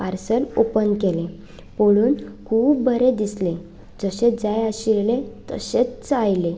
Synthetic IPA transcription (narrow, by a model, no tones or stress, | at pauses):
paɾsəlopənkelẽ | poɭuːnkʰuːbbʱəɾed̪isle | d͡zəɕed͡zajaɕiɾlet̪ə̰ɕet͡st͡səajle